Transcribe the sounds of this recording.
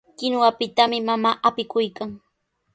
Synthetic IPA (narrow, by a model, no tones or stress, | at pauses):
kɪnwapɪt̪amɪmamaːʔapɪkʊjkaŋ